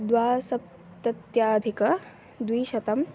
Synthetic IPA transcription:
d̪ʋaːsɐp̚ | t̪ɐt̪jaːd̪ʱikɐ | d̪ʋiːʃɐt̪ɐm

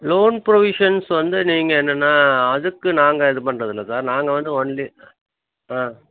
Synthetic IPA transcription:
loːnpɾɔʋɪʂɐnsʋɐnd̪ɯniːŋɡɐɛnːɐnːaːɐðɯkːɯnaːŋɡɐɛðɯpɐɳːɾɐðɪlːɐsaːɾnaːŋɡɐʋɐnd̪ɯɔnli | ãː

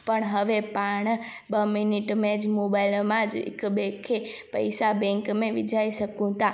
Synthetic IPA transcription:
pəɳɦəʋepaɳ̃ | bəminiʈmed͡ʒmobajilmãd͡ʒḛkbɛkʰepə̰jsabɛ̃ŋkmẽʋid͡ʒaiʃəkũt̪a

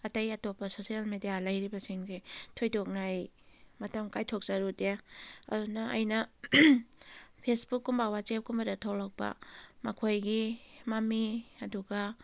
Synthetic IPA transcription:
ɐtɐjɐtopːɐsosialmedijalɐjɾibɐsiŋzetʰojdok̚najmɐtɐmkajtʰok̚zaɾuteɐ̰dunɐɐ̰jnɐ | pʰesbukːumbawat͡ʃep̚kumbɐdɐtʰawlak̚bɐ̰mɐkʰojɡimamiɐduɡɐ

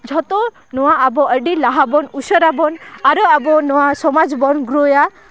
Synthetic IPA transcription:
d͡ʒʱɔt̪ɔ | nɔwaabɔəɖilaɦabɔnusəɾabɔnaɾɔabɔnɔwasɔmad͡ʒbɔnɡɾoja

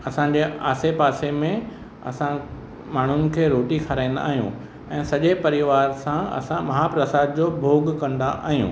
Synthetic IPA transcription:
ɐsãɲd͡ʑea̰ːsepaːsemẽ | ɐ̰sã | maːɳ̤ʊnɪ̆kʰeːɾoːʈikʰɐɾãːĩn̆d̪a̰ːɦijṵ̃ | ɛ̃ːsɐʄepɐɾɪʋaːɾsãɐ̰sãmɐɦapɾɐsaːd̪̚d͡ʑoːbʱoːɡkɐ̃nd̪aʔa̰ːɦijṵ̃ː

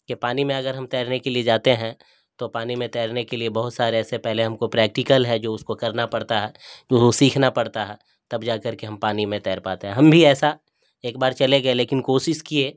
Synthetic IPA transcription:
kepaːnimẽɐɡəɾɦɐmt̪ɛːɾnekelied͡ʒaːt̪eɦɛ̃ | t̪opaːnimẽt̪ɛːɾnekeliebɐɦʊt̪saːɾeɛːsepɛɦleɦɐmkopɾɛːk̚ʈɪkəlɦɛd͡ʒoːʊskokɐɾnapɐɽt̪aɦɛːd͡ʒoːosiːkʰnapɐɽt̪aɦɛː | t̪ɐbd͡ʒaːkɐɾkeɦɐ̃mpaːnimẽt̪ɛːɾpaːt̪eɦɛ̃ɦɐmbʱiɛːsa | eːk̚baːɾt͡ʃɐleɡɐeleːkɪnkoːʃɪʃkieː

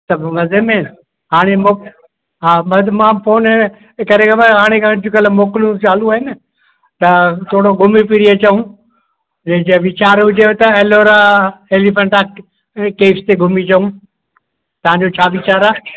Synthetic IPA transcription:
sɐbʱʋɐzemẽ | ɦaːɽ̃emo | ɦaːmɐd̪mãːpʰoːnɦen | kɐɾẽkʰɐbɐɦaːɽ̃ekʰãd͡ʑʊkəlmoːklũt͡ɕaːluaːɦɪnɪ | t̪ɐt̪ʰoːɽoɡʱʊmipiɾiet͡ɕɐɦũ | d͡ʑɐɦɪ̃d͡ʑeʋɪt͡ɕaːɾɦʊd͡ʑʱeot̪ɐɛloːɾaeːlifə̃ɳʈaːk | keːfst̪eɡʱʊmit͡ɕɐɦũ | t̪ɐʋ̤ãɲd͡ʑoːt͡ɕʰaːʋɪt͡ɕaːɾaː

